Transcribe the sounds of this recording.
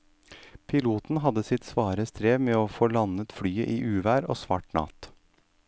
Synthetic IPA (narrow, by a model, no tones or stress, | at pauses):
pʰɪluːt̪n̩ɦɑd̪əsɪt̪sʋɑːɾəst̪ɾeːʋmeːoːfoːlɑnət̪fɽyːəʔiːʔʉːʋæːɾo̰ːsʋɑ̰ːʈnɑ̰ːt̪